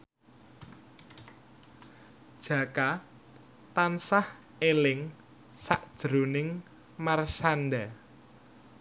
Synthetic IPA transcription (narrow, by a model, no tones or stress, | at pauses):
d̥ʒ̥ä̤ka | t̪ansah | elɪŋ | saʔd̥ʒ̥ɾonɪŋ | marsanɖa